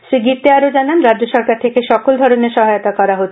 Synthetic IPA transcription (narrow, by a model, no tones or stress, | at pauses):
ʃɾiɡit̪ːeaɾod͡ʑananɾadd͡ʑoʃɔɾkaɾt̪ʰekeʃɔkold̪ʱɔɾoneɾʃɔɦajot̪akɔɾaɦotʰː